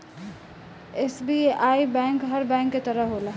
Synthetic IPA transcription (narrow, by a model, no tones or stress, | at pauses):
esbiaibɛ̃ŋkɦəɾbɛ̃ŋkːet̪əɾəɦɦoləɦ